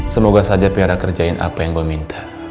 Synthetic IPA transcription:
səmoɡasad͡ʒapiaɾakərd͡ʒaɪnʔa̰pajaŋbəmint̪ʰḁ

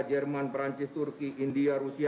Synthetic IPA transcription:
d͡ʒɛrmanpɾaɲt͡ʃɪst̪urkiʔindiaɾusia

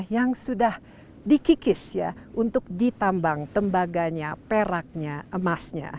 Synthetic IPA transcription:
jaŋsudah | dikikɪsja̰ʔunt̪ʊk̚dit̪ambaŋt̪əmbaɡaɲapeɾak̚ɲaʔəmasɲa̰

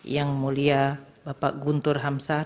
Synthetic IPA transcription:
jaŋmulia | bapa̰ʔɡunt̪ʊrɦamsa

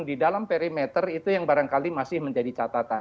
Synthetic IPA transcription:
ŋdidalampeɾimɛt̪ərit̪ujaŋbaɾaŋkalimasɪhməɲd͡ʒadit͡ʃat̪at̪a

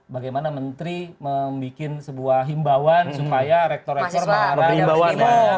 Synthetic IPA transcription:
baɡajmanamənt̪ɾiməmbikɪnsəbuaɦimbawansupajaɾɛk̚t̪ɔrɛk̚t̪ɔrmaaɾaaawaa

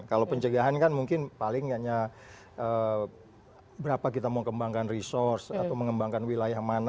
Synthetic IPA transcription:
kalawpəɲt͡ʃəɡaɦankanmuŋkɪnpalɪŋjaɲa | ʔə | bəɾapakit̪amokəmbaŋkanrisɔrsat̪awməŋəmbaŋkanwilajahman

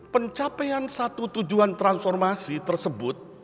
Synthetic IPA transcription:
pəɲt͡ʃapɛansat̪ut̪ud͡ʒuant̪ɾansfɔrmasit̪ərsəbʊt̪̚

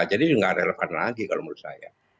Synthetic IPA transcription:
d͡ʒadiŋɡarɛlɛfanlaɡikalomulusa̰ja̰

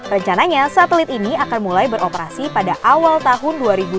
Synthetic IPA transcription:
rəɲt͡ʃanaɲasat̪əlɪt̪iniakanmulajbəɾʔopəɾasipadaʔawalt̪aɦʊnduaɾibu

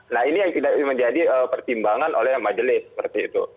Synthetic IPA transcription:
nahinijaŋt̪idakməɲd͡ʒadiəpərt̪imbaŋanʔo̰lɛhmad͡ʒəlɪsːə̥pərt̪iːt̪ṵ

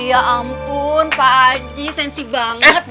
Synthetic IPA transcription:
aʔampʊnpad͡ʒisɛnsibaŋət̪̚

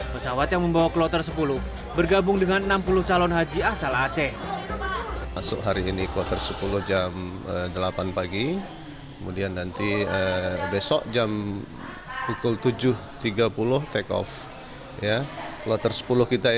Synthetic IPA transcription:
pəsawat̪jaŋməmbawaklɔt̪ərsəpulʊh | bərɡabʊŋdəŋanənampulʊht͡ʃalɔnɦad͡ʒiasalat͡ʃɛ | masʊ̰kɦaɾiːniklɔt̪ərsəpulʊhd͡ʒamədəlapanpaɡi | kəmudianːant̪iəbesɔʔd͡ʒam | pukʊlt̪ud͡ʒʊht̪iɡapulʊht̪ɛkɔ̰f | jakəlɔt̪ərsə̥pulʊhkit̪a

